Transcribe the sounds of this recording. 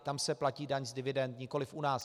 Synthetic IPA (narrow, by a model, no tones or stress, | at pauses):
t̪amsɛplaciːdaɲzdɪvɪdɛnt̪ɲɪko̞lɪfʔunaːs